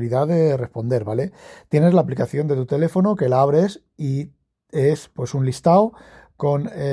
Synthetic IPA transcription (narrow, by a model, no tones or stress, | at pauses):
liðaðe̞re̞spo̞nd̪e̞ɾβale̞t̪je̞ne̞zlaːplikaθjo̞nd̪e̞t̪ut̪e̞le̞fo̞noke̞laaβ̞ɾe̞s | i | e̞spwe̞sunlist̪aw | ko̞ne